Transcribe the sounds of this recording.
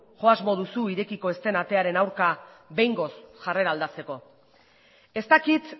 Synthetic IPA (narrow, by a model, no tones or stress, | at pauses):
ʝo̞azmo̞ðusuiɾe̞kiko̞e̞st̪e̞nat̪e̞aɾe̞nawɾka | βe̞jŋɡo̞sʝare̞ɾald̪at͡se̞ko̞ | e̞st̪akit̪